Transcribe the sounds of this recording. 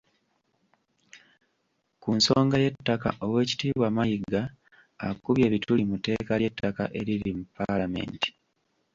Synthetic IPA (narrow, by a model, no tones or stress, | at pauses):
kunsoːŋɡaje̞tːaka̰ʔo̞we̞ːci̥tiːβwaːmajiɡa̰ː | kuβje̞ːβitʰulimute̞ːkajetːaka̰ʔe̞ɾiɾimupalame̞̰ːnti̥